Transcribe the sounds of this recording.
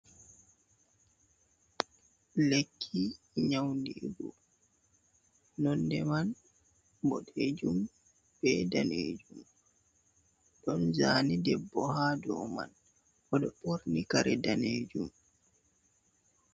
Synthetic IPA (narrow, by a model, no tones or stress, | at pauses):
lekʰːi | ɲawndibɔ̰ | nɔndɛman | bɔ̰ɗeːd͡ʒum | b̥ɛdaneːd͡ʒum | ɗɔnzaːnidɛbːɔɦadɔ̰ma̰n | ʔɔɗɔpoɾnikaɾɛdaneːd͡ʒum